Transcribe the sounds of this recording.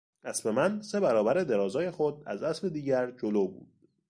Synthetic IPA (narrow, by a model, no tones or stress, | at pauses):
æsbe̞mænse̞bæɾɒːbæɾed̪e̞ɾɒːzɒːje̞xod̪æ̰zæsbe̞d̪iːɟæɾd͡ʒoloːbṵːd̪̥